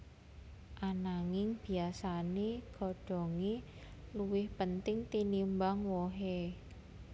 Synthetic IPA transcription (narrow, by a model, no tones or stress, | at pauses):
ʔanaŋɪŋb̥i̤asaneɡ̥ɔ̤ɖ̥ɔ̤ŋi | luwɪhpənt̪ɪŋt̪inimbaŋwoɦe